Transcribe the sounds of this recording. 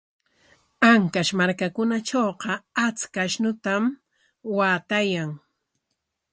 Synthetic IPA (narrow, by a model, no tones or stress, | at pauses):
aŋkaʃmaɾkakʊnaʈ͡ʂoːqɑat͡skaʃnʊt̪am | waːt̪ajaŋ